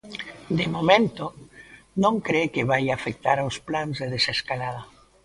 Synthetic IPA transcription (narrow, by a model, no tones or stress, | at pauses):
d̪emomẽnt̪o | nõŋkɾekeβajafek̚t̪aɾawsplanzðeðeseskalaða